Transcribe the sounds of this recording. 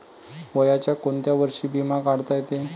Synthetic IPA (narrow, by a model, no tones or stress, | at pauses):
ʋəjat͡ɕjakoɳt̪jaʋəɾʂiːbʱimakaɽt̪ajt̪e